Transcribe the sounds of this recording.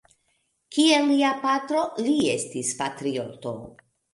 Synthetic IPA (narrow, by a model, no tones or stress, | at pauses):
kielːiapatɾo̞lie̞stispatɾioto̞̰